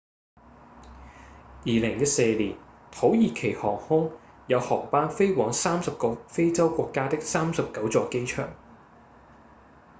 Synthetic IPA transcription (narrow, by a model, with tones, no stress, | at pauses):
jiː˨˧lɪ˨˩ŋjɐ˥t̚seː˧liː˨˩n | t̪ʰo˨˥wjiː˨˩kʰe˨˩jhɔː˨˩ŋhʊ˥ŋ | jɐ˨˧whɔː˨˩ŋpaː˥nfe˥jwɔː˨˥ŋsaː˥msɐ˨p̚kɔ˧fe˥jt͡sɐ˥wkʷɔː˧kːaː˥t̪ɪ˥k̚saː˥msɐ˨p̚kɐ˨˥wt͡sɔː˧ke˥jt͡ʃʰœ̰ː˨˩ŋ